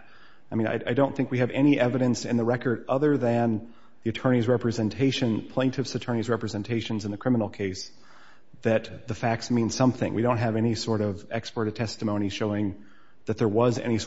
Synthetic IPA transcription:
aɪmĩna̰ɪʔaɪdõʊ̃nθɪ̃ŋkwiɨvɛñiʔɛvɨɾɨ̃nsɨ̰̃nðəɹɛkə˞ɾʌðə˞ðɨ̃n | ðiɨtʰɜ˞ñizɹɛpɹɨzɨ̃ntʰeɪʃɨ̃npʰl̥ẽɪ̃ntʰɨfsɨtʰɜ̃˞nizɹɛpɹɨzɛ̃ntʰeɪʃɨ̃nzɨ̃n̩ðɨkʰɹ̥ɪ̃mənl̩ˠkʰeɪs | ðɨt̪̚ðɨfæk̚tsmĩnsʌ̃mθɪ̰̃ŋwidõʊ̃nt̚ɦɨvɛnisɔɹɾʌvɛkspə˞ɾɨ̥tʰɛstɨmõʊ̃ñiʃoʊɪ̃ŋ | ðɨt̪̚ðə˞wʌzɛ̰nis

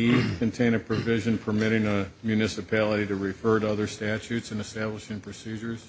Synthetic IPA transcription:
i̥kʰɨ̃ntʰẽɪ̃ñɨpʰɹ̥ɨvɪʒɨ̃npʰə˞mɪɾɪ̃ŋəmjʉnɪsɨpʰælˠəɾiɾɨɹɨfɜ˞ɾʌðə˞stæt͡ʃʉtsɨ̃nɨstæbləʃɪ̃ŋpʰɹ̥ɨsid͡ʒə˞z̥

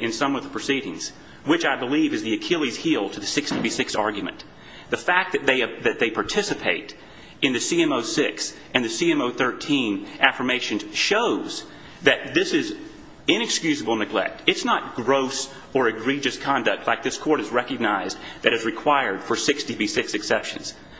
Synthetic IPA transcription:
ɨ̃nsʌ̃mʌvðəpʰɹ̥ɨsiɾɪ̰̃ŋz̥ | wɨt͡ʃaɪbəlivɨzðiɨkʰɪlˠiz̥hilˠtʰɨðɨsɪkstibisɪksɑ̰ɹɡjmɨ̰̃n | ðɨfæk̚ðɨt̪̚ðeɪðɨt̪̚ðeɪpʰɑɹtʰɪsɨpʰeɪɾ | ɨ̃nðɨsiɛ̃moʊsɪks | ʔɨ̃nðɨsiɛ̃moʊθɜ˞tʰĩnʔæfə˞meɪʃɨ̃nʃoʊz̥ | ðɨt̪̚ðɪsɨz | ɪ̃ñɨkskjʉzɨbl̩ˠnɨɡlɛ̰k̚tɨtsnət̚ɡ̥ɹoʊs | ə˞ɨɡɹid͡ʒɨskʰɑ̃ndɨk̚tʰlaɪk̚ðɪskʰɔɹɾɨzɹɛkɨɡ̚naɪzðɨɾɨzɹɨkʰw̥aɪə˞d̥fə˞sɪkstibisɪksɨksɛpʃɨ̰̃nz̥

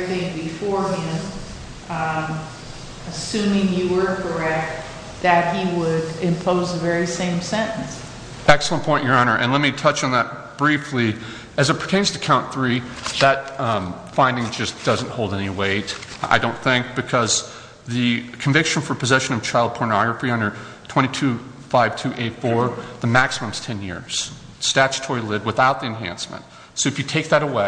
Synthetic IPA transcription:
θɪ̃ŋbɨfɔɹɪ̃m | ɨsʉ̃mɪ̃ŋjɨwə˞kʰə˞ɛk̚t̚ | ðɨt̚hiwəɾɪ̃mpʰoʊzɨvɛɹisẽɪ̃msɛ̃ñn̩s | ɛksl̩ˠə̃npʰɔ̃ɪ̃njə˞ɑɾnə˞ʔɨ̰̃nlɛt̚mitʰʌt͡ʃn̩ðət̚ | b̥ɹifli | ɨzɨt̚pʰɹ̥i̥tʰẽɪ̃nz̥tʰɨ̥kʰãʊ̃nθɹiðɨt̚ | fãɪ̃ndɪ̃ŋd͡ʒʌsd̥ʌz̃nt̚hoʊlˠdɛniweɪta̰ɪdõʊ̃nθɪ̃ŋk̚b̥ɨkʰʌz | ðɨkʰɱvɪkʃɨ̃n̩fə˞pʰɨzɛʃɨ̃nʌv̥t͡ʃʰaɪlˠd̚pʰɔɹnɑɡɹəfiʌ̃ndə˞ | tʰɛ̃ɾ̃itʰʉ | faɪv̥tʰʉʔeɪtfɔɹðɨmæksəmə̃mz̥tʰɛ̃njɪ̰ɹz̥ | stæt͡ʃtʰɔɪlɪd̚wəθaʊt̪̚ðiɨ̃nɦæ̰̃nsmɨ̰̃nt̚ | soʊɨfjɨtʰeɪk̚ðɨɾəweɪ

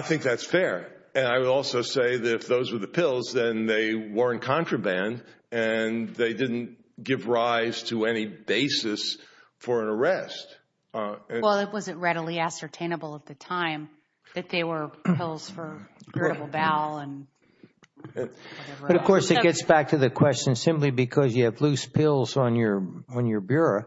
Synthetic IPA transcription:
aɪθɪ̃ŋk̚ðætsfɛɹɨ̃naɪwəɾɔlˠsoʊseɪðɨɾɨfðoʊzwə˞ðɨpʰɪlˠzðɨ̃nðeɪwə˞ɨ̃nkʰɑ̃nt͡ʃɹ̥ɨbæ̃nd | ɨ̃nðeɪdɪdⁿn̩t | ɡ̥ɪvɹaɪz̥tʰɨɛnibeɪsɨsfə˞ɨ̃nə˞ɛst | wɛlˠɪt̚wʌzɨt̚ɹɛɾl̩ˠiæsə˞tʰẽɪ̃ñəbl̩ˠət̪̚ðɨtʰãɪ̃m | ðɨt̪̚ðeɪwə˞ɪlˠz̥fə˞ɡ̥ɹɛvl̩ˠbælˠə̃n | wʌɛvə˞bʌɾʌvkʰɔɹsɨt̚ɡ̥ɛtsb̥æk̚tʰɨðɨkʰw̥ɛst͡ʃɨ̃nsɪ̃mplibɨkʰʌzjɨːvlʉspʰɪlˠzn̩jə˞ə̃njə˞bjʊɹo

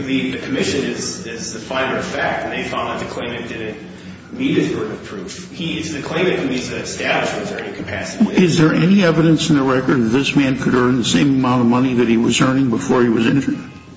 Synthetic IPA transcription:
ðɨðɨkʰəmɪʃɨ̃nɪzɪzðɨfaɪɾə˞ʌv̥fæk̚tɨ̃n̩ðeɪfãʊ̃nðɨt̪̚ðɨkʰl̥ẽɪ̃mɨ̃nt̚d̥ɪdⁿn̩ | niɾ̚ɨzwɜ˞ɾʌv̥pʰɹ̥ʉf | hiɪtsðɨkʰl̥ẽɪ̃mɨ̃t̚ɨizɨɨstæblɨʃɨ̃zɛɹĩkʰm̩pʰæ̰sɾɪzðə˞ʔɛniɛvɨɾɨ̃nsn̩ðəɹɛkə˞d̪̚ðɨt̪̚ðɪsmæ̃nkʰɨɾɜ̃˞nðɨsẽɪ̃məmãʊ̃ɾ̃ʌvmʌniðɨt̚hiwʌzɜ̃˞nɪ̃ŋbəfɔɹiwʌzɛ̃nd͡ʒə˞ɪ̃ŋ

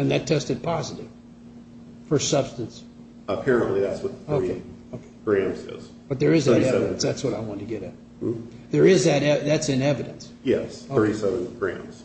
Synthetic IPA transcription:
ɨ̃nðɨtʰɛstɨd̚pʰɑzɨɾɪ̰v̥ | fə˞sʌb̥stɨ̃ns | əpʰɛɹɨ̃nʔliðætswʌt̪̚θoʊieɪoʊkʰe̥ɪɡ̥ɹæ̃mzɪ̰z̥ | b̥ʌt̪̚ðə˞ɨzðɨɾɛɨɾɨ̃nsðætswʌɾaɪwɑ̃ntɨɡɛɾɨt̚ | ðə˞ɪzðɨɾɛðætsɨ̃nɛvɨɾɨ̰̃ns | jɛ̰sθoɹisɛṽn̩ɡ̥ɹæ̰̃mz̥

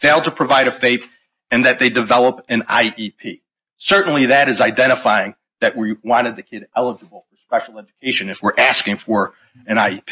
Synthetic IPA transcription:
feɪlˠd̚təpʰɹ̥ɨvaɪɾɨfeɪp | ɨ̃nðɨt̪̚ðeɪdɨvɛlˠəpɨ̃na̰ɪʔipʰi | sɜ˞ʔn̩liðɨɾɨzaɪdɛ̃ɾ̃əfaɪɪ̃ŋ | ðɨʔ̚wiwɑ̃ɾ̃ɨd̪̚ðɨkʰɪɾɛlˠəd͡ʒəbl̩ˠfə˞spɛʃl̩ˠɛd͡ʒɨkʰeɪʃɨ̃nɨfwəɹʔæskɪ̃ŋfə˞ | ɨ̃ñaɪipʰ

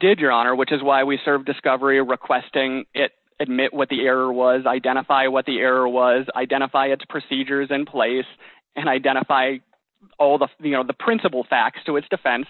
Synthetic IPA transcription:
d̥ɪd͡ʒə˞ɑñə˞wɨt͡ʃɨzwaɪwisɜ˞vdɨskʌvə˞iɹɨkʰw̥ɛstɪ̃ŋɪɾ | ɨd̚mɪʔwʌt̪̚ðiɛɹə˞wʌzaɪdɛ̃ɾ̃əfaɪwʌt̪̚ðiʔɛɹə˞wʌza̰ɪdɛ̃ɾ̃əfaɪɨtspʰɹ̥ɨsid͡ʒə˞zɨ̃npʰl̥eɪs | ɨ̃ɾ̃aɪdɛ̃ɾ̃əfaɪ | ɔlˠðəjɨnoʊðəpʰɹ̥ɪ̃nsəpl̩ˠfæk̚tstʰəɨtsd̥ɨfɛ̃ns

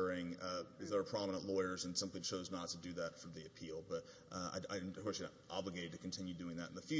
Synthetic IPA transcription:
ɪ̃ŋɨzðə˞ːpʰɹ̥ɑmənə̃nʔlɔɪə˞zɨ̃nsʌ̃mθɾit͡ʃʰoʊznətʰɨdɨðɨtfɹʌ̃mðiɨpʰilˠbʌɾ | a̰ɪaɪkʰwɛs | ɑ̰bləɡeɪɾɨd̚tʰɨkʰn̩tʰɪ̃njʉdʉɪ̃ŋðɨɾn̩ðɨfjʉ

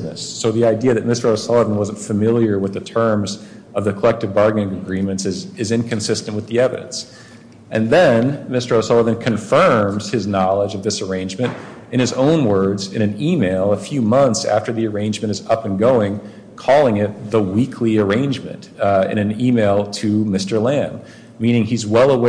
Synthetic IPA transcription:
nɨ̰sːoʊðiaɪdiɨðɨt̚mɪstə˞oʊsɑlˠəvə̃n̩wʌzn̩tfɨmɪlˠjə˞wəðɨtʰɜ̃˞mz | ʌvðɨkʰəlɛk̚tɨvbɑɹɡnɪ̃ŋɨɡɹĩmɨ̃ntsɨzɨzɨ̃nkʰɨ̃nsɪstɨ̃n̩ʔwɨðiɛvɨ̰ɾɨ̰̃ns | ʔɨ̃nðɨ̃nmɪstə˞oʊsɑlˠəvɨ̃nkʰɨ̃ɱfɜ̃˞mz̥ɨznɑlˠəd͡ʒʌvðɪsə˞ẽɪ̃nd͡ʒmɨ̃ntɨ̃ɾ̃ɨzõʊ̃nwɜ˞dzɨ̃ɾ̃ɨ̃nimeɪlˠəfjʉmʌ̃nθsæ̰ftə˞ðiə˞ẽɪ̃nd͡ʒmɨ̃ɾ̃ɨzʌpɨ̃nɡoʊɪ̃ŋ | kʰɔlˠɪ̃ŋɪt̪̚ðəwikʰliə˞ẽɪ̃nd͡ʒmɨ̰̃ntɨ̰̃nɨ̃nimeɪlˠtʰɨmɪstə˞læ̃n | mĩnɪ̃ŋizwɛlˠəw

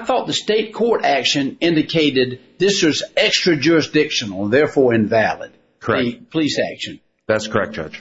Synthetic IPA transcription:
aɪθɔt̪̚ðɨsteɪt̚kʰɔɹɾækʃɨ̃nɪ̃ndɨkʰeɪɾɪd̪̚ðɪswʌzɛkstɹ̥ɨd͡ʒʊɹɨsd̥ɪkʃɨ̃nl̩ˠəðɛɹfɔɹɨ̃ɱvælˠə̰d̪̚ | kʰə˞ɛɨpʰəlisæ̰kʃɨ̃n | ðætskʰə˞ɛ̰k̚d̥ʒ̥ʌ̰̥d͡ʒ

